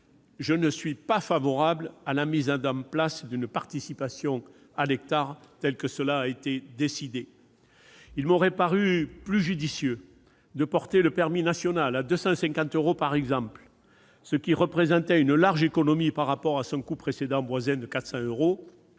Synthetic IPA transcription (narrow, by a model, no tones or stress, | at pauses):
ʒənəsɥipafavɔʁablalamizɑ̃d̪ɑ̃plasd̪ynpaʁt̪isipasjɔ̃ | alɛk̚t̪aʁt̪ɛlkəsəlaːet̪ed̪esid̪e | ilmɔʁɛpaʁyplyʒyd̪isjø | d̪əpɔʁt̪eləpɛʁminasjɔnalad̪øsɑ̃sɛ̃kɑ̃t̪øʁopaʁɛɡzɑ̃pl | səkʲiʁəpχezɑ̃t̪ɛynəlaʁʒekɔnɔmipaʁːapɔʁasɔ̃kupχesed̪ɑ̃bwazɛ̃d̪əkat̪χə̥sɑ̃øʁo